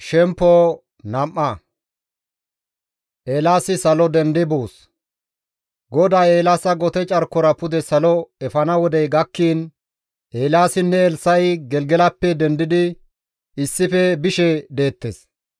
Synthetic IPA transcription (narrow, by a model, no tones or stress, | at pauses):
ʃɛmpːoː | nɐmʔːɐ | ʔeːlaːsɪsɐlɔd̪ɛnd̪ɪboːs | ɡɔd̪aːe̞ːlaːsɐɡɔt̪ɛt͡ʃʼɐɾkːɔɾɐpʊd̪ɛsɐlɔɛfɐnɐwɔd̪ɛjɡɐkːiːn | ʔeːlaːsɪnːɛːlsɐjɡɛlɡɛlɐpːɛd̪ɛnd̪ɪd̪ɪ | ɪsːɪfɛbɪʃɛd̪e̞ːt̪ːḛs